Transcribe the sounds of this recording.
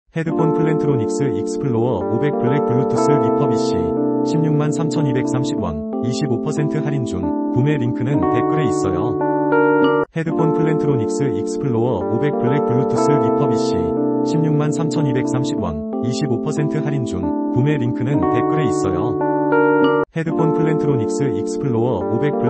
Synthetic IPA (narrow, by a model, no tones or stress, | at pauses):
he̞dɯkʰonpʰɯɭːe̞ntʰɯɾonik̚s͈ɯik̚s͈ʰɯ̥pʰɯɭːoʌobe̞k̚pɯɭːek̚puɭːutʰɯs͈ʰɯipʰʌbiɕ͈ḭɕʰimɲuŋmansʰamt͡ɕʰʌnibe̞k̚s͈ʰamɕʰibwa̰ŋ | iɕʰibopʰʌsʰe̞ntʰɯhaɾind͡ʑuŋ | pume̞ɾiŋkʰɯnɯnpe̞pʰɯɾe̞is͈ʌjo | he̞dɯkʰonpʰɯɭːe̞ntʰɯɾonik̚s͈ɯik̚s͈ʰɯ̥pʰɯɭːoʌobe̞k̚pɯɭːek̚puɭːutʰɯs͈ʰɯipʰʌbiɕ͈ḭ | ɕʰimɲuŋmansʰamt͡ɕʰʌnibe̞k̚s͈ʰamɕʰibwa̰ŋ | iɕʰibopʰʌsʰe̞ntʰɯhaɾind͡ʑuŋ | pume̞ɾiŋkʰɯnɯnpe̞k͈ʰɯɾe̞is͈ʌjo | hedɯkʰonpʰɯɭːe̞ntʰɯɾonik̚s͈ɯik̚sʰɯ̥pʰɯɭːoʌobe̞k̚pu